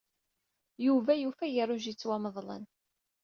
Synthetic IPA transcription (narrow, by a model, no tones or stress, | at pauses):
juvæjufæjəɾˤʊʒit͡sːwæməðˤlə̰n